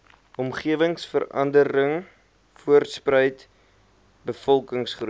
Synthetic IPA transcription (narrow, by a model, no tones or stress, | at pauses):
ʔɔmχiəvəŋsfə̰rɐ̰ndəɾəŋ | fuərtsprəjt | bəfɔlˠkəŋsχru